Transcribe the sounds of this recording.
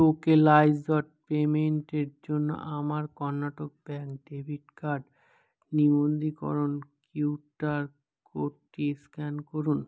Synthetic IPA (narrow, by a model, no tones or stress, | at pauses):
okelajzɔʈ̚pemeɳʈeɾd͡ʑonːo̰ʔamaɾkɔɾnːaʈok̚bɛŋkɖebʱiʈkaɾɖ | nimond̪ikɔ̰ɾonkuwʈaɾ | koʈʈːiskɛnkoɾun